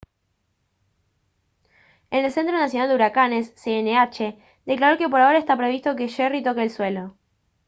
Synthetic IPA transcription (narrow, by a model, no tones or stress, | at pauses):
enelse̞nt̪ɾo̞nas̬jo̞nald̪euɾakane̞sːeeneat͡ʃe̞ | d̪e̞klaɾo̞kep̬o̞ɾao̞ɾaest̪apɾe̞βist̪oke̞ʃerit̪o̞keeːlswe̞lo̞